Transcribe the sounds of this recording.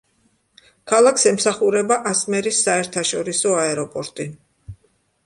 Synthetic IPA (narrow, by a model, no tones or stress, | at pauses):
kʰalˠakʰsɛmsaχuɾɛbaʔasmɛɾisːaɛɾt̪ʰaʃɔɾisɔaɛɾɔpʼɔɾt̪ʼi